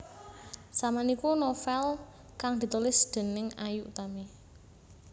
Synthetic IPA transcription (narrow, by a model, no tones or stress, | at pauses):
samanikunɔfɛl | kaŋd̪̥i̤t̪ulɪsd̪̥e̤nɪŋajuʔut̪ame